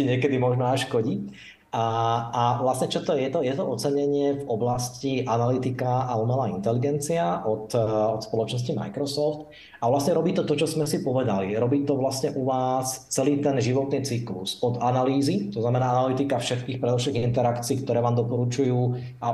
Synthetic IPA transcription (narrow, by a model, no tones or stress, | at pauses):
iɲɪɛkɛd̪imɔʒnɔaʃkɔɟi | aʋlasɲɛt͡ʃɔt̪ɔjɛt̪ɔjɛt̪ɔɔt͡sɛɲɛɲɪɛvɔblasciʔanalit̪ikaaumɛlaint̪ɛliɡɛnt͡siaʔɔt̪ɔt̪spɔlɔt͡ʃnɔs̬cima̰jkɾɔsɔft̪ | avlasɲɛɾɔbiːt̪ɔt̪ɔt͡ʃɔzmɛsipɔʋɛd̪aliɾɔbiːt̪ɔʋlasɲɛʔuʋaːst͡sɛliːt̪ɛnʒiʋɔt̪niːt͡siklṵsɔd̪analiːzit̪ɔznamɛnaːanalit̪ikafʃɛt̪kiːxpɾɛd̪ɔfʃɛɣint̪ɛɾakt͡siːkt̪ɔɾɛːʋaːmd̪ɔpɔɾut͡ʃujuː | a